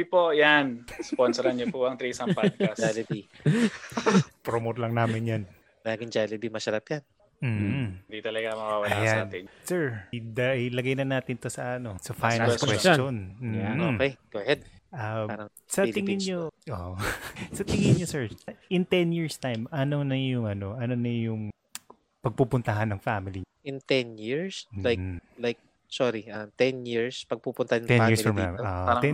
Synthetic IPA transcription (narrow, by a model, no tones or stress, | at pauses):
ipojansponsɛɾɐnopoʔɐŋt̪ɾisɐmpaalɪbi | pɾomot̪lɐŋnaːmɪnjan | mɐlaːɡɪŋd͡ʒalɪbimɐʃɐɾapjan | m̩ːhnd̪it̪ɐlɐɡamɐwawɐlajasaːnɛnsɛɹd̪ɐʔɐjlɐɡɐjnɐnaːt̪ɪnt̪osɐʔɐno̞sɐfajjnaɛwɛssonm̩ːokɛjɡ̥ohɛd̪̚ʔaɐ | sɐt̪ɪŋɪnɲoʔo̰ | sɐt̪ɪŋɪnɲosɛɹʔɪnt̪ɛnjiɹst̪ajmɐnonɐjʊŋɐno̞ʔɐnonɐjʊŋ | pɐɡ̚pupʊnt̪ɐɦɐnːɐŋfamɪliʔɪnt̪ɛnjiɹslajlajk̚ | soɾiʔɐt̪ɛnjiɹspɐɡ̚pupʊnt̪ɐhɐnt̪ɛjiɹsoɡa̰mo̰ʔaɛ